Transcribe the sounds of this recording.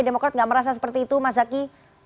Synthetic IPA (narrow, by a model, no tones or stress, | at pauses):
demokɾat̪ŋɡaʔməɾas̬asə̥pərt̪iːt̪umazaki